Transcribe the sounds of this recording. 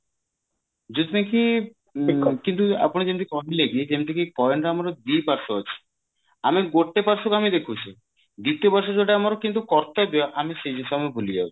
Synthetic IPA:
d͡ʑot̪ineki | kint̪ua̰poñid͡ʑent̪ikɔnleɡied͡ʑemt̪ʰekipɔeɳʈaamaɾod̪ipaɾsoat͡ɕʰe̥ | amiɡoʈːepaɾʃokamid̪ekʰut͡ɕʰe | d̪it̪ːijopaɾʃ̬od͡ʑoʈaamaɾokint̪̬ukɔɾt̪aebeaʔamiʃed͡ʑisamebʱulid͡ʑa̰bo

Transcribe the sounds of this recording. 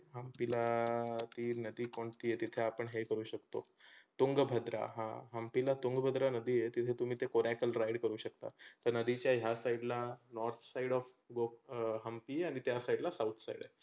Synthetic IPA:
ɦəmpilat̪iːnəd̪iːkoɳt̪iːet̪it̪ʰeapəɳɦekəɾuːɕəkt̪o̰ | t̪uŋɡbʱəd̪ɾa̰ɦãɦəmpilat̪uŋɡbʱəd̪ɾanəd̪ijet̪it̪ʰet̪um̤iːt̪ekoɾakəlɾaiɽkəɾuːɕək̚t̪a̰t̪əɾnəd̪it͡ɕjaɦjasaiɽlanɔɾt̪ʰsaiɽɔf | ɡoɦəmpiaɽ̃it̪jasaiɽlasaut̪ʰsaḭɽə

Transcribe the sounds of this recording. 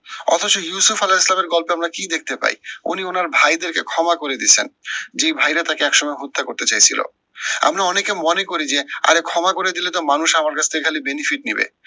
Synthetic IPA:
ɔ̰t̪ʰot͡ɕojusufalaislameɾɡɔlpeamɾakid̪ek̚ʰt̪epa̰jṵnionaɾbʱajd̪eɾkekʰɔmakoɾed̪it͡ɕʰend͡ʑejbʱajɾat̪akeɛkʃɔmɔeɦot̪ːakoɾt̪et͡ɕajt͡ɕʰilo̰ | a̰mɾaɔnekemɔnekoɾid͡ʑea̰ɾekʰɔmakoɾed̪ilet̪omanuʃamaɾkat͡ɕʰt̪ʰekekʰalibenifiʈ̚nibḛ

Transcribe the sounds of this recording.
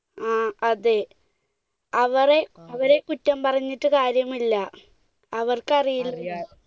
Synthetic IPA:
aːɐðe | ɐʋɐreɐʋɐɾe̞kutːɐmpɐrɐɲːiʈːɨkaːɾjɐmilːɐ | ɐʋɐrkɨɐrijil

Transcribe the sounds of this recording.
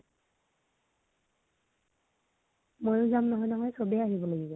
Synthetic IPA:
mojʊzamnɔɦɔjnɔɦɔjsobɛaɦibɔlaɡibɔ

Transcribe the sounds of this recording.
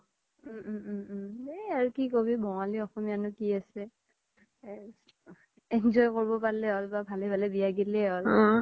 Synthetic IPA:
ɛaɹukikobibʱɔw̃aliɔxɔmianʊkiasɛ | ɛnzɔjkoɹibɔpaɹlɛɔlbabʱalɛbʱalɛbiaɡilɛɔl

